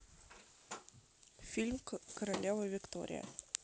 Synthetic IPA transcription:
fʲilʲmkəɾɐlʲevəvʲɪkt̪o̰ɾʲɪ̰jə̰

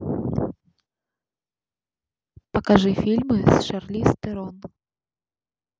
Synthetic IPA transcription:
pɐkaʐɨfʲilʲmɨsʂarlʲist̪ɛɾɔn

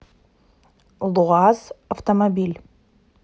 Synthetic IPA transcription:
lˠuʁɑzɐft̪omobʲilʲ

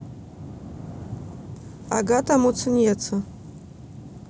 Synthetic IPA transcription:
a̰ɡatʰamut͡sʰɨnjɛt͡sʰɐ

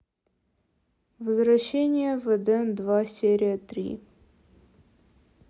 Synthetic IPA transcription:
vəzɾɐɕːenʲɪjəvəd̪ɛnd̪vasʲeɾʲɪjət̪ɾʲḭ

